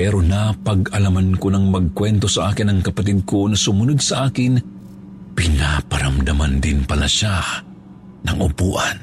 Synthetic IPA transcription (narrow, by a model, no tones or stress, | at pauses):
pɛɾonapɐɡɐlamɐnkonɐŋmɐɡ̚kwɛnt̪o̞sɐʔaːkɪnɐŋkɐpɐt̪̬id̪̚konɐsʊmʊnod̪sɐʔaːkɪn | pɪnapɐɾɐmd̪ɐmand̪ɪnpɐla̰ʃa | nɐŋʔʊ̰puːʔan